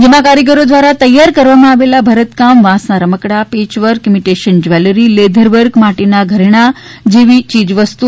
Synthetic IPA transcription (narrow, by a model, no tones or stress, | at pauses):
d͡ʑemãkaɾjək̬əɾod̪ʋaɾat̪əjːaɾkəɾʋamaaʋelabʱəɾət̪kamʋãsnaɾəməkɽapet͡ɕʋəɾkimiʈeɕənd͡ʑʋɛləɾiːled̪ʱəɾʋəɾɡmaʈinaɡʱəɾɳ̃ad͡ʑeʋiːt͡ɕiːd͡zʋəst̪u